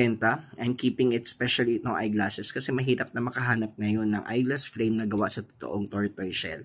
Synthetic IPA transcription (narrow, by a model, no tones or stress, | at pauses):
ɛnt̪ɐʔɐjmkiːpɪŋɪt̪̚spɛʃɐliɪt̪oŋʔɐ̰jɡlasɛskɐsɛmɐɦiːɾɐp̚nɐmɐkɐɦaːnɐp̚ŋɐjo̞nːɐŋʔa̰jɡlɐsfɾejmnɐɡɐwaʔsɐt̪o̥t̪o̰ʔoŋt̪oɹt̪ojʃɛ̰l